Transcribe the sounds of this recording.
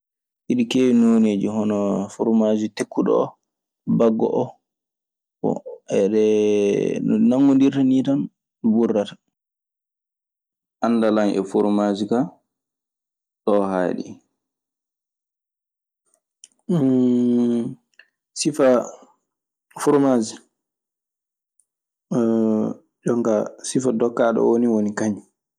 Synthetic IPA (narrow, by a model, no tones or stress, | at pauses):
ʔiɗikeːwinɔneːd͡ʒihɔnɔfuɾmaːd͡ʒitekʰːuɗɔ̰ɔ̰ | baɡːɔ̰ʔɔ | bɔ̰ɛɗɛ | naŋːɔndiɾtanitan | ɗuburːatḁ | ʔanːdalaŋʔɛ̰fuɾmad͡ʒika | ɗɔha̰ːɗḭ | sifa | fuɾmad͡ʒi | d͡ʒɔŋɡasifadɔkːaɗɔ̰woniwonikaɲ